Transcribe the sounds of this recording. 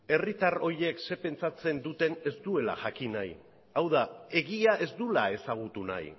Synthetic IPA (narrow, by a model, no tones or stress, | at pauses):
e̞rit̪aro̞ɾje̞kse̞pe̞nt͡sat͡se̞nd̪ut̪e̞ne̞zd̪ue̞la̰ʝakinaj | awðae̞ɣiaʔe̞zd̪ulae̞saɣ̞ut̪una̰j